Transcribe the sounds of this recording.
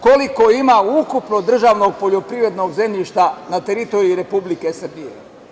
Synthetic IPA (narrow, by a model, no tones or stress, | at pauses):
koliko̞imaukupno̞d̪r̩ʒaːʋno̞ɡ̚po̞ʎo̞pɾiʋɾe̞d̪no̞ɡze̞mʎʲiʃt̪anat̪eɾit̪o̞ɾiːiɾe̞publikesr̩bijḛ